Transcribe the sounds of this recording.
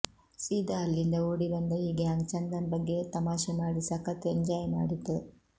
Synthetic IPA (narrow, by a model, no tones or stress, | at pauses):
siːd̪aːlːind̪ɐoːɽiʋɐnd̪ɐiːɡaːŋt͡ʃɐnd̪ɐnbɐɡːet̪ɐmaːʃɐnaːɽisɐkːɐt̪eɲd͡ʒaːjɐna̰ːɽit̪ːu